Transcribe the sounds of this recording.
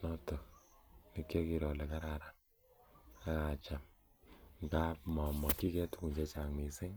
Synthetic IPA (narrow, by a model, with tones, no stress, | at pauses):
nɔ˦tɔ˨ni˦kje˦ki˨ɾɔ˨lɛ˨ka˦ɾa˦ɾa˨n | a˦ka˨t͡ʃa˨m | ŋka˦pmɔ˨mɔ˨ki˦kɛ˦tu˦ku˨ɲt͡ʃe˦t͡ʃa˨ŋmi˨sɪ˦ŋ